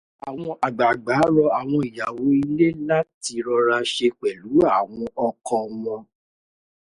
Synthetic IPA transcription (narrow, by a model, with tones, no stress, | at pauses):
a˨w̃ɔ̃˧ʔa˨ɡ͡ba˨ɡ͡ba˨˦ɾɔ˧a˨w̃ɔ̃˧i˨ja˨wo˨˦i˧le˦la˦ti˧ɾɔ˧ɾa˧ʃe˧k͡pɛ˨lu˨˦a˦˨w̃ɔ̃˧ɔ˧kɔ̃˧mɔ̃˧